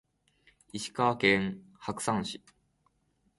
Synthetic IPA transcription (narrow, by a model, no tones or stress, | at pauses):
iɕi̥kaːkẽŋ | hakɯ̟̥sãɰ̃ɕi